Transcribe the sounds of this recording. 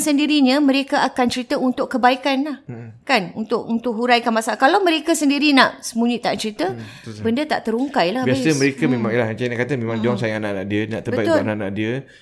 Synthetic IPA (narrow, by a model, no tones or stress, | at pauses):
səndiɾiɲə̃mə̃ɾekaʔakant͡ʃəɾit̪əunt̪ʊʔkːəbaikanlahkanunt̪ʊkunt̪ʊk̚ɦuɾajkanmasalakalawmə̃ɾekasəndiɾinaʔsəmuɲit̪aʔt͡ʃəɾit̪ə | bəndət̪a̰ʔt̪əɾuŋkajlahbiasəməɾekəmẽmãŋilahat͡ʃanakat̪əmẽmãŋd͡ʒaŋsajaŋanaʔna̰ʔdiəna̰ʔt̪əbəbajʔuanaʔana̰ʔdiə